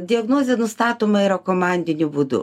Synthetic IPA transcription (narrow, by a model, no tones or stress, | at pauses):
d̪ʲɪɐɡnoːzʲɛnʊst̪ɑːt̪oːmɐɪɾɐkomɑnʲd̪ʲɪnʲʊbud̪ʊ̰